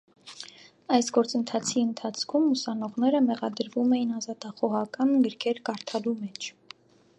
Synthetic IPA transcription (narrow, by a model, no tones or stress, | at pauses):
ɑjsɡɔɾt͡sənt̪ʰɑt͡sʰiənt̪ʰɑt͡sʰkʰumusɑnɔʁnɛɾəmɛʁɑd̪əɾvumɛjinɑzɑt̪ɑχɔʁɑkɑnɡəɾkʰɛɾkɑɾt̪ʰɑlumɛt͡ʃʰ